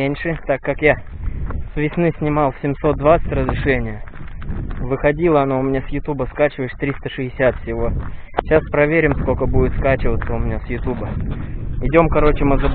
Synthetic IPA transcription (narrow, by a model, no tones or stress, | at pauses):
enʲʂɨt̪akːakja | svʲɪsnɨsʲnʲɪmalˠsʲɪmso̞t̪̚d̪vat̪sə̥tʲrəzɾʲɪʂɛnʲɪjə | vɨxɐdʲilˠəɐnoʊmʲɪnʲasjʊt̪ubəskat͡ɕɪvəjɪʂt̪ɾʲist̪əʂɨɪsʲat̪fʲsʲɪvo̞ | ɕaspɾɐvʲeɾʲɪmskokəbudɪt̪skat͡ɕɪvət̪sːəʊmʲɪnʲasjʊt̪ubə | ɪdʲo̞mkɐɾo̞t͡ɕɪməzəb